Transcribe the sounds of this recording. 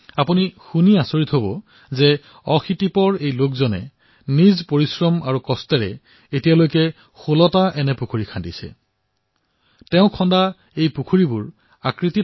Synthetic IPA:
apunixuniasoɹitʰɦobɔ | zɛ | ɔxʰitipɔɹejlokzɔnɛ̰ | nizpoɹisɹɔmaɹukɔstɛɹɛ | etijalojkɛ | xulɔtaʔɛnɛpukʰuɹikʰandisɛ̰ | tɛʊ̃kʰɔnda | ejpukʰuɹibuɹ | akɹiti

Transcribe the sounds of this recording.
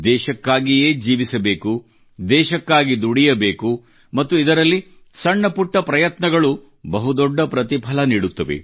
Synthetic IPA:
d̪ɛːʃɐkːaːɡijeːd͡ʒiːʋisɐbe̞ːku | d̪ɛːʃɐkːaːɡid̪uɽijɐbeːku | mɐt̪ːuid̪ɐɾɐlːi | sɐɳːɐpuʈːɐpɾɐjɐt̪nɐɡɐɭu | bɐɦud̪ɔɖːɐpɾɐt̪ipʰɐlɐniːɽut̪ːɐʋḛ

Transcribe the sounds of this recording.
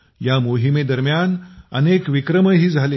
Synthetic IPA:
jamoɦimed̪əɾmjanə̰nekʋikɾəməɦiːd͡zʱale

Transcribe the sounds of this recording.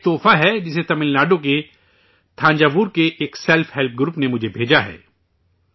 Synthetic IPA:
t̪oːfaɦɛd͡ʒɪset̪ɐmɪlnaːɖok̬e | t̪ʰãːɲd͡ʒaːbuːɾkeʔeːksɛlfʰɦɛlp̚ʰɡɾuːpnemʊd͡ʒʱebʱeːd͡ʒaɦɛ̰ː

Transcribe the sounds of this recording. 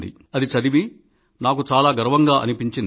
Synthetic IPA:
d̪ḭ | ɐd̪it͡ʃɐd̪iʋi | naːk̬ut͡ʃaːlaːɡɐɾɐʋɐŋɡaːʔɐ̰nipiɲt͡ʃin

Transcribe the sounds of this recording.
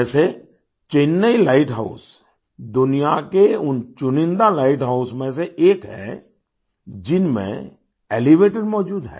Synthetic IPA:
ɛːse | t͡ʃenːəilaːɪʈɦa̰ʊs | d̪ʊnijakeʊnt͡ʃʊnɪ̃nd̪alaːɪʈɦaʊsmẽseʔeːkɦɛ̰̃ | d͡ʒɪnmḛ̃ | eːliʋeːʈəɾmɔːd͡ʒuːd̪ɦɛ̰ː

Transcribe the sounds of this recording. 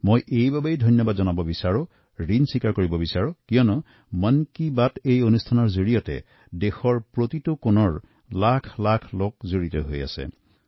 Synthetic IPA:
mojʔejbabejdʱojnjɔbadzɔnabɔbisaɹʊ | ɹinsikaɹkoɹibɔbisaɹʊkijɔnɔ | mənkibatejonustʰanɔɹzoɹijɔtɛ̰ | dexɔɹpɹotitʊkonɔɹ | lakʰlakʰlokzoɹitɔ̰ɦo̰ja̰sɛ̰

